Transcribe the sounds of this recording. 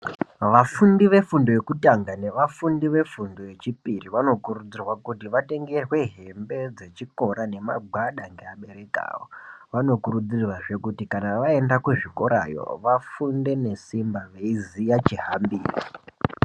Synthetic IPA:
ʋafundiʋe̞fundo̞je̞kutaŋɡane̞ʋafundiʋe̞fundo̞je̞t͡ʃipiriʋano̞kurud͡zirwakutiʋate̞ŋɡerwe̞ɦe̞mbe̞d͡ze̞t͡ʃiko̞ɾane̞ma̰ɡ͡bʱwaɗaŋɡeaɓe̞ɾe̞ka̰ːwo̰ʋano̞kuɾud͡zirwaʐe̞kutikanaʋae̞ndakuʐiko̞ɾa̰jo̞̰ʋafunde̞ne̞simbaʋeizijat͡ʃiɦambiːrḭ

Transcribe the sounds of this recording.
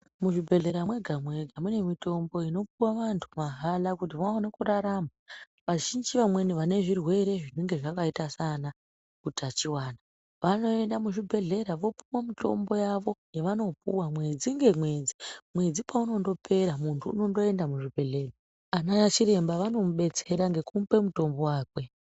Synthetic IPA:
muʐibʱe̞ɮe̞ɾamwe̞ɡʱamwe̞ɡʱamune̞mito̞mbo̞ino̞puwaʋantʰu̥maɦalakut̬iʋaonekuraɾama | ʋaʒind͡ʒiʋamwe̞niʋane̞ʐirwe̞ɾe̞ʐine̞ŋɡe̞ʐakaitasana | kutʰat͡ʃiwaːna | ʋano̞e̞ndamuʐibʱe̞ɮe̞ɾaʋo̞puwamito̞̰mbo̞jaʋo̞jeʋano̞p̚ṵwamwe̞d͡ziŋɡe̞mwe̞d͡zimwe̞d͡zipauno̞ndo̞pʰe̞ɾamuntʰṵːno̞ndo̞e̞ndamuʐibʱe̞ɮe̞ːra | anaat͡ʃiɾe̞mbaʋano̞muɓe̞t͡se̞ɾaŋɡe̞kumpe̞muto̞mbo̞waːkwe̞

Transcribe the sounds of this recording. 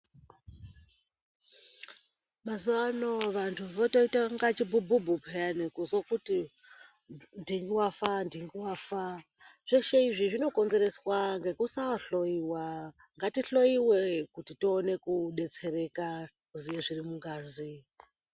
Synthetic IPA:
mazuanoʋantʰuʋotoitaŋɡat͡ʃibʱububʱupʰeanikuzwakuti | ndiŋɡiwafandiŋɡiwafa | ʐ̥eʃeiʐiʐino̞ko̞nze̞ɾe̞swaŋɡe̞kusaaɬo̞jiwa | ŋɡatiɬo̞iwekutitiːne̞kuɗe̞t͡se̞ɾe̞ka | kuzijeʐirimuŋɡaːzi

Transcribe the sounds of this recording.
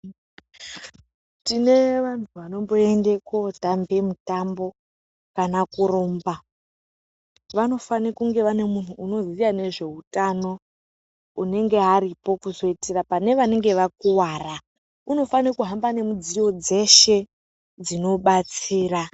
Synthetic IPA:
tine̞ʋantʰuʋano̞mbo̞e̞nde̞kotambe̞mutambo̞ | kanakuɾoːmba | ʋano̞fanikuŋɡe̞ʋane̞mun̤uːno̞zijane̞ʐe̞utano̞ | une̞ŋɡe̞ɦaɾipo̞kuzo̞itirapane̞ʋane̞ŋɡe̞ʋakuwara | uno̞fanikuɦambane̞mud͡zijo̞d͡ze̞ʃe̞ | d͡zino̞ɓat͡siːra

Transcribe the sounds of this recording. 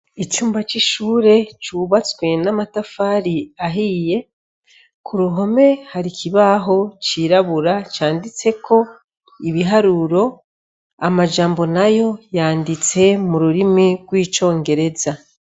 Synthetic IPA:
it͡ʃuːmbat͡ʃiʃuːɾe̞t͡ʃuːβat͡swe̞namatafaːɾiaɦiːje̞ | kʰuɾuɦo̞me̞haɾikʰiβaɦo̞t͡ʃiːɾaβuɾat͡ʃaːndit͡se̞kʰo̞ | iβiɦaɾuɾo̞ | amaʒaːmbo̞najo̞jaːndit͡se̞muɾuɾimiɡwiːt͡ʃo̞ːŋɡe̞ɾe̞za

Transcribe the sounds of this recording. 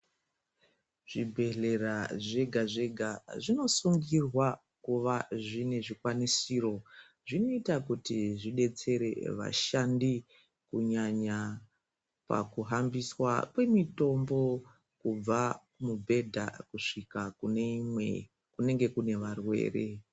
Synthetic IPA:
ʐ̥ibʱe̞ɮe̞raʐe̞ɡʱaʐe̞ɡʱaʐino̞suŋɡirwa | kuʋaʐine̞ʐikwanisiːro̞ | ʐino̞itakutiʐiɗe̞t͡se̞ɾe̞̰ʋa̰ʃandi | kuɲaɲa | pa̰kuɦambiswa̰kwe̞mito̞mbo̞ | kub͡vakumubʱe̞dʱa̰kuʂikakunemwe | kune̞ŋɡe̞kune̞ʋarwe̞̰ːre̞̰

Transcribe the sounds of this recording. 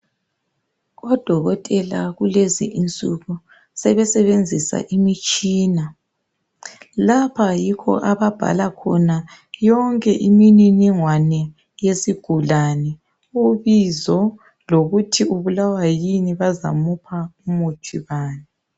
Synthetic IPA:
ɣɔd̥ʱɔɣɔtʼɛlaɣulezḭʔint͡sʼuɣu | sɛβɛsɛβend͡zʱisa̰ʔimit͡ʃʼiːna | lapʰajikʰɔ̰ʔaβab̥ʱa̰lakʰɔ̰najɔŋkʼɛʔimininiŋwanɛ | jesiɡ̥ʱulanɛ | uβizɔ | loɣutʰiuβulawajiniβaza̰mupʰaumut͡ʃʰiβaːni

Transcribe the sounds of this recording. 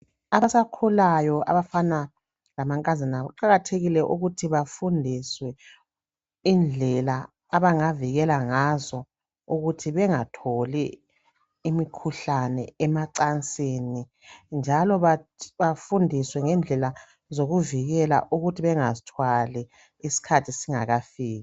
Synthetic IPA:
aβasakʰulajɔʔa̰βafana | lamaŋkʼazinaaǃaɣatʰeɣilɛʔuɣutʰiβafundʱiswɛ | ind͡ɮʱɛlaː | βaŋaviɣɛlaŋazɔ | uɣutʰiβɛŋatʰoli | imikʰuɬanɛɛmaǀant͡sʼeni | nd͡ʒʱalɔβaβafundʱiswɛŋɛnd͡ɮʱɛla | zoɣuviɣɛla̰ʔuɣutʰiβɛŋazitʰwalɛ | isi̥kʰatʰisiŋa̰ɣafiːɣa

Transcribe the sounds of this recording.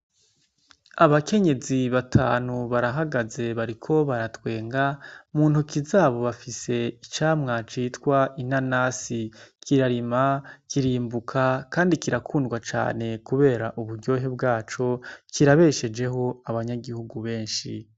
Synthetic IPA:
aβake̞ɲe̞ziβatʰa̰ːnuβaɾaɦaɡaze̞βaɾikʰo̞βaɾatwe̞ːŋɡamuːnhukizaːβo̞βafise̞it͡ʃaːmŋat͡ʃiːtwaʔinanasikʰiɾaɾimakiɾiːmbukʰakaːndikiɾakʰuːndɡwat͡ʃa̰ːne̞kuβe̞ːɾaʔuβuɾɟo̞ːɦe̞bɡaːt͡ʃo̞kʰiɾaβe̞ʃe̞d͡ʒe̞ɦo̞aβaɲaɡihuɡuβe̞ːnʃi

